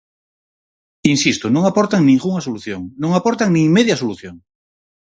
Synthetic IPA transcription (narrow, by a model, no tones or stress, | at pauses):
insist̪onõŋapɔɾt̪aŋnĩŋɡuŋasoluθjoŋnõŋapɔɾt̪aŋnĩŋmeðjɐsoluθjoŋ